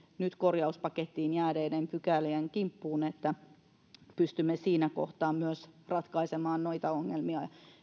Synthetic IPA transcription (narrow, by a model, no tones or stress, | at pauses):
nyt̪korjɑuspɑket̪ːiːnjæːdeːdempykæliæŋkimpːuːnet̪ːæ | pyst̪ymːesiːnæko̰ht̪ɑːmmyøsrɑt̪kɑisemɑːnnoit̪ɑoŋːelmiɑ